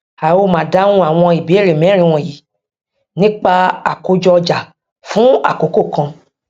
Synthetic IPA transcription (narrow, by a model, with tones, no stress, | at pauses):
a˨wo˧˦mãː˨da˦nũ˦a˦˨w̃ɔ̃˧i˨bi˨˦e˦˨ɾe˨mɛ̃˨˦ɾ̃ĩ˧w̃ɔ̃˨ji˨ | nĩ˦k͡pa˧a˨ko˨˦d͡ʒɔ˧d͡ʒa˨ | fũ˦a̰˦˨ko˨˦ko˦˨kã˧